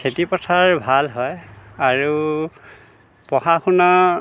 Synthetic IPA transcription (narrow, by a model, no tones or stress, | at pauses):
kʰetipɔtʰaɹbʱalɦɔjaɹu | pɔhaxunɔ